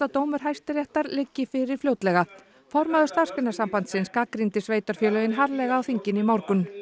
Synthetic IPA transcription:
at̪oːwmʏɾ̥ɦajst̪ɪɾjɛht̪aɾlɪcːɪfɪɾɪɾ̥flowt̪lɛɣa | fɔɾmaðʏst̪ar̥skɪnasampant̪sɪnskakɾint̪ɪsveːjt̪œɾ̥fjœːlœjɪnɦaɾlɛɣaːwθiɲcɪnimawɾkʏn

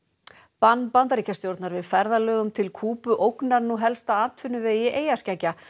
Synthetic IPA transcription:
panːpant̪̬aɾiːcast̪jowɾt̪naɾvɪðfɛɾðalœːɣʏmt̪ʰɪlkʰuːpʏʔowknaɾnuɦɛlst̪aaːt̪ʰʏnːʏveːjɪʔeːjascacːa

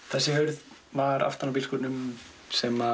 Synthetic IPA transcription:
θɛsːɪhœɥɾð | vaɾa̰ft̪anawpilskɔːt̪nʏm | sɛma

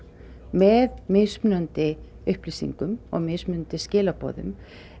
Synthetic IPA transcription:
mɛðmɪsmʏnʏnt̪ɪ | ʏhpliːsḭŋkʏmɔ̰ɣmɪsmʏnʏnt̪ɪscɪːlapo̰ːðʏ̰m

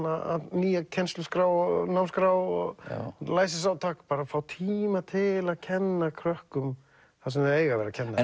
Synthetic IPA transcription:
aa̰ðniːjacʰɛnst̪lʏskɾaːwɔɣnawmskɾawɔɣlaːjsɪsawt̪ʰaːkpaːɾafaːwt̪ʰiːmat̪ʰɪlaðcʰɛnːakʰɾœhkʏm | θasɛmeːjɣavɛːɾacʰɛnːa

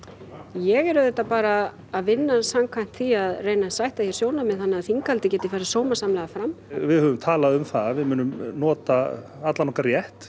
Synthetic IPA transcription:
jɛɣɛɾʏðɛht̪ːapaːɾaː | ðvɪnːasamkʰvajm̥t̪θiaðreːjnasajht̪ahjɛɾsjoːwlnamɛðθanːɪaðθiŋkalt̪ɪcɛːt̪ɪfajɾasoːwmasamlɛːɣðafɾamːvɪðhœːvʏmt̪ʰaːlaðʏmθavɪðmʏnːʏmnɔːt̪aat̪lanɔhkaɾjɛht̪

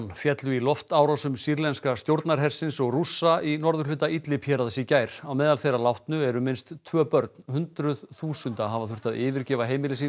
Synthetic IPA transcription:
nfjɛt̪lʏilɔft̪aːwɾɔsʏmsiɾlɛnskast̪jowɾt̪naɾ̥ɦɛr̥sɪnsɔɣrusːainɔɾðʏɾlʏːt̪ait̪lɪpʰjɛːɾaðsɪcaːjɾawmɛːðalθejrːalawht̪nʏɛɾʏmɪnst̪ʰvœːpœɾt̪n̥hʏnt̪ɾʏðθuːsʏnt̪aɦavaθʏr̥t̪aðɪːvɪɾcɛːvaɦejmɪlɪs̬i

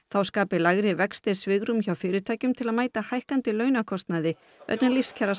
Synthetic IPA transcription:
θawskaːpɪlaɣɾɪvɛkst̪ɪɾsvɪːɣɾʏmçawfɪːɾɪt̪ʰaːjcʏmt̪ʰɪlaðmaːjt̪ahajhkant̪ɪlœːɥnakʰɔst̪naðɪ | œ̰t̪nalifscʰɛɾas

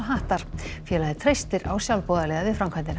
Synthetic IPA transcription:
ɦaːht̪aɾ̥fjɛːlaðɪt̪ʰɾejst̪ɪɾawsjawlpɔːðalɛɣaðvɪfɾamkʰajnt̪ɪn

